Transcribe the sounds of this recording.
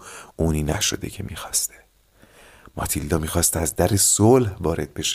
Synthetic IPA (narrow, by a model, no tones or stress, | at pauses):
ʔuːniːnæʃo̞̰d̪e̞̰cʰe̞miːxɒːst̪ʰe | mɒ̰ːt̪ʰilːɒːmiːxɒːst̪æzd̪æɾesolhvɒːɾe̞d̪̥̚be̞ʃe